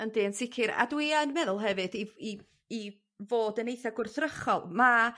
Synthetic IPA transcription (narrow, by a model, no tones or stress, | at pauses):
əndɨːənsɪkʰɨɾa̰dwɪaənmɛðʊlˠɦɛvɨdii | i | voːdənejθaɡʊrθrəχɔlˠma